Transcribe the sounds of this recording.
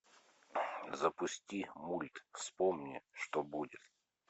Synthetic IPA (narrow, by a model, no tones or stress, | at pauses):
zɐpʊsʲtʲimulʲt̪fsʲpomnʲɪʂt̪obudʲɪt̪